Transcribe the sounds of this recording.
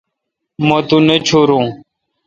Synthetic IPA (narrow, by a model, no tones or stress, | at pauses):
mə̃ːt̪uːnet͡ʃʰoːɾũː